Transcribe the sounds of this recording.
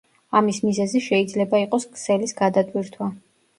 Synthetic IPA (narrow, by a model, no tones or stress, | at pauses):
amismizɛziʃɛid̪zlɛbaiqʼɔskʰʼsɛlisɡad̪at̪ʼwiɾt̪ʰwa